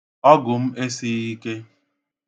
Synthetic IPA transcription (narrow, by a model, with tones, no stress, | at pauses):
ɔ˦ɡʊ˨m̩˦e˦si˦i˦ke˦